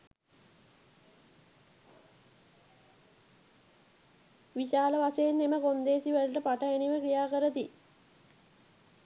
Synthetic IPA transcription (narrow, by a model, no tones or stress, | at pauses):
ʋiɕaːləʋasejenːeməkond̪eːsiʋælʈəpaʈəeniʋəkɾijaːkəɾət̪i